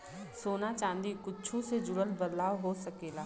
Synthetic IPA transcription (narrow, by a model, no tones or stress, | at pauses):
soːnat͡ʃãːnd̪ikʊtːt͡ʃʰũsed͡ʒʊɽəlbəd̪laːʋɦosəkeːlaː